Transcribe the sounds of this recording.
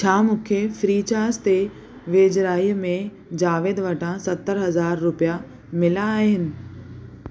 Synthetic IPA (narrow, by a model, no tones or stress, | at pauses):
t͡ɕʰaːmʊ̃kʰefɾiːt͡ɕaːst̪e | ʋeːd͡ʑɾaːimẽ | d͡ʑaːʋeːd̪ʋɐʈʰãsɐt̪ːəɾɦɐzaːɾːʊpija | mɪlaːɦɪnɪ̆